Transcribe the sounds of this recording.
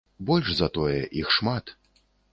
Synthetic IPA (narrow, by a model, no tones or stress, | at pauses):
bɔlʲʐzɐt̪ɔjɛʔixʂmat̪